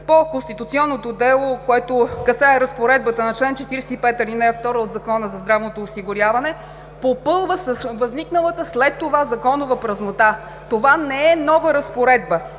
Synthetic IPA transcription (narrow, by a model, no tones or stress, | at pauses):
pokonst̪it̪ut̪siɔnːot̪od̪ɛlˠokoɛt̪okɐsaɛɾəspoɾɛd̪̚bət̪ənɐt͡ʃlɛnt͡ʃɛt̪iɾsɛipɛt̪əlʲinɛɛft̪ɔɾəod̪zɐkɔnəzɐzd̪ɾavnot̪oːsiɡʊɾʲjavɐnɛ | popɤlˠvəsəsvɐzniknəlˠət̪əslɛt̪ːovazɐkɔnʊvəpɾɐznot̪a | t̪ovanɛɛnɔvəɾɐspoɾɛd̪bə